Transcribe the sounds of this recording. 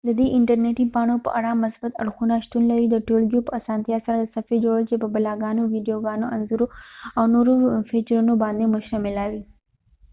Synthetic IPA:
d̪əd̪eʔɪɳʈəɾneʈipɑɳ̃opə̰ʔaɽamɐsbɐt̪ɐ̰ɽxunaʃt̪unlɐɾid̪əʈolɡijopəasɑːnt̪ijasɐɾad̪əsɐfid͡ʒoɽəlt͡ʃepəbɐlaɡɑnoʋiɖijoɡɑːnoʔɐnzuɾoawnoɾofit͡ʃəɾunobɑːnd̪emʊʃɾamɪlawi

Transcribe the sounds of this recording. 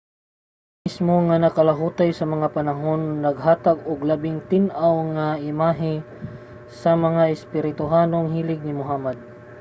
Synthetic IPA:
mɪsmoŋanɐkɐlɐɦuːt̪ajsɐmɐŋapɐnɐɦo̞nːɐɡ̚ɦaːt̪aɡʊɡlɐbɪŋt̪ɪnʔawŋaʔɪmaːɦɪ | sɐmɐŋaɪspɪɾɪt̪ʊɦaːno̞ŋɦiːlɪɡ̚nɪmʊɦaːmɐd̪̚

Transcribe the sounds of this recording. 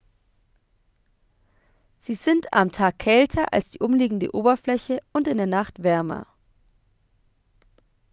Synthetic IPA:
z̥iːzɪnta̰mtʰaːkʰːɛltʰɐʔa̰lsd̥iːʔʊmliːɡŋ̩də̰ʔoːbɐflɛçəʔʊntɪndeːɐnaχtv̥ɛɐmɐ̰

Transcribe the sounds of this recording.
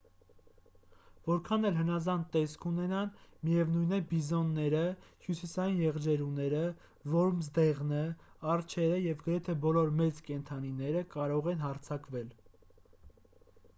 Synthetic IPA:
vɔɾkʰɑnɛlɦənɑzɑnt̪ɛskʰunɛnɑnmijɛvnujnɛbizɔnːɛɾəhjusisɑjinjɛʁd͡ʒɛɾunɛɾə | vɔɾmzd̪ɛʁnə | ɑrt͡ʃʰɛɾəjɛvɡəɾɛt̪ʰɛbɔlɔɾmɛt͡skɛnt̪ʰɑninɛɾəkɑɾɔʁɛnɦɑɾt͡sʰɑkvɛl

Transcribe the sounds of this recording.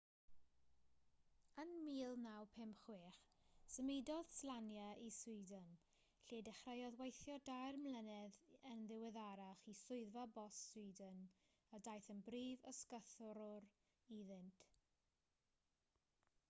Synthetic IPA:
ənmiːlˠnawpʰɪmχweːχsəmɪdɔð̥slˠanjaʔisʊɨdən | ɬiːdɛχrəjɔðwejθjɔdajrmlənɛðənðɪwɛðaɾaχisʊɨðvabɔsːwʊɨdən | ədajθənbriːvəskəθɔɾʊr | iðɪntʰ

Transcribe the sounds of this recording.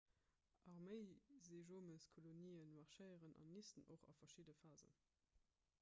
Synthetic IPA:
ʔɑʁməɪzeːʒoːməskʰoloniːənmɑʁʃəɪəʁənʔɑ̰nːistəno̰χɑ̰fɐʃiːdəfaːzə̰n

